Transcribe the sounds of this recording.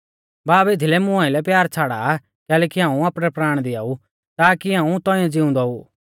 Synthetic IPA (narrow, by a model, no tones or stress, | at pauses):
baːbet̪ʰilɛmʊ̃ãːɪlɛpjaːɾt͡sʰaːɽa | kɛːlɛːkiɦãːũaːpɽɛpɾaːɽ̃d̪ɪaːu | t̪aːkiãːũt̪ɔ̃ĩãd͡zɪũnd̪ɔuː